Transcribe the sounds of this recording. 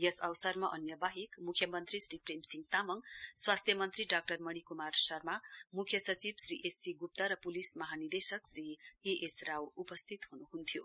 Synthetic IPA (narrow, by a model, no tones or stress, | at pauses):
jʌsʌwsʌrmaʔʌnjʌbaɦikmukʰjʌmʌnt̪risrɾipremsiŋɡ̚t̪amʌŋswast̪ʰjʌmʌnt̪riɖak̚ʈʌrmʌɽ̃ikumarsʌrmamukʰjʌsʌt͡sibsɾiʔesːiɡup̚t̪aɾʌpulismʌɦanird̪esʌksrieʔesrawupʌst̪ʰit̪hunuɦunt̪ʰjo